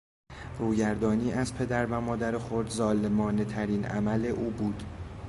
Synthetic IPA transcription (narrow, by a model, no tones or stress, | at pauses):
ruːɟæɾd̪ɒːniːʔæzpʰe̞d̪æɾvæmɒːd̪æɾexoɾd̪zɒːlemɒːne̞t̪ʰæɾiːnʔæ̰mæle̞ʔuːbuːd̪̥